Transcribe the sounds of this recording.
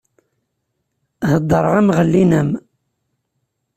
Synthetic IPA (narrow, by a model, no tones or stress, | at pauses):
həd̪ˤːəɾˤʁæmʁəlːinəm